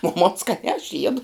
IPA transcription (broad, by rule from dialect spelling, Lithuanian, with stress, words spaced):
oː moːn skɐˈnʲæː ɐʃ ˈjiɛdʊ